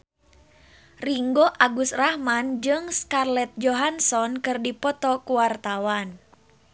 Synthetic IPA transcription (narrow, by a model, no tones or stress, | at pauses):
riŋɡoʔaɡusrahmand͡ʒɨŋskarlɛt̪̚d͡ʒɔɦansɔnkɨrdipɔt̪ɔkuwart̪awan